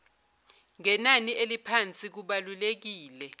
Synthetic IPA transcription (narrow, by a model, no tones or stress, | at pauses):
ŋɛnaniʔelipʰant͡sʼik̬uɓalulek̬iːlɛ